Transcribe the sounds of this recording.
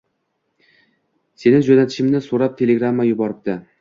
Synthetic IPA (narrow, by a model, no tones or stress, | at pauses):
se̞nɪd͡ʒonat̪ʰɪ̥ʃɪmnɪsoɾap̚t̪ʰe̞lʲeɡɾamːajʊbɒɾɪp̚d̪̥ɪ